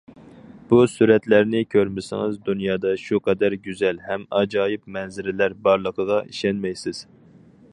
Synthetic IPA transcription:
b̥usyɾɛt̪læɾnɪkʲʰøɾmɪsɪ̰ŋɪzd̪unjɑːd̪ɑʃuqʰɛd̪æɾɡʲyzɛlɦɛmɑd͡ʒɑːjip̚mɛnzɪɾɪlæɾbɑɾlˠəqʰəʁɑʔiʃɛnmɛjsɪz̥

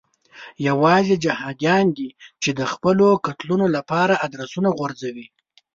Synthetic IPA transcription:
jawɑzed͡ʒahɑd̪jɑnd̪it͡ʃed̪əxpəlokat̪lunolapɑɾaad̪ɾasunaɣwaɾzawi

